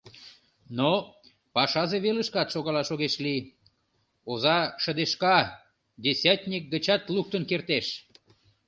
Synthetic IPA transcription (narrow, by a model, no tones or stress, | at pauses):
no | pɑʃɑzeβeləʃkɑt̪ʃoɣɑlɑʃoɣeʃli | ozɑʃə̆d̪eʃkɑ | d̪ʲesʲæt̪ʲnʲik̚ɡət͡ɕɑt̪luk̚t̪ənkert̪eʃ